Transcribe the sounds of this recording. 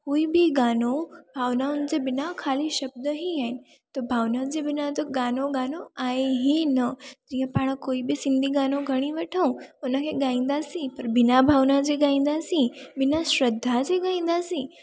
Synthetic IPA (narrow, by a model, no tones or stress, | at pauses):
koːibʱiɡaːnobʱaːʋnaʊnd͡ʑebɪnakʰaːliʃəb̚d̪əɦiɦan | t̪obʱaːʋnad͡ʒebɪnat̪oɡaːnoɡaːnoaːeɦinəd͡ʒijãpaːɽ̃əkoːibʱisɪ̃nd̪ʱiɡaːnõɡʱəɽ̃ĩʋəʈʰaũonãkʰeɡãːĩnd̪asĩpɐɾbɪnabʱaːʋnad͡ʑeɡaːĩnd̪asĩbɪnaʃɾəd̪ʱːad͡ʒeɡaːĩn̆d̪asĩ